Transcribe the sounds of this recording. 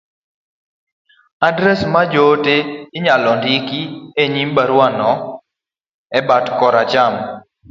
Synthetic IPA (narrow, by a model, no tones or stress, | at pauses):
adɾɛsmad͡ʒoteːɲalɔndikieɲimbaɾwanɔ | ɛbatkɔɾat͡ʃam